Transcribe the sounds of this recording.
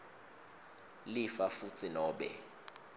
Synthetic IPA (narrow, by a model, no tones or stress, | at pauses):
lifafut͡sʰinɔːɓɛ̰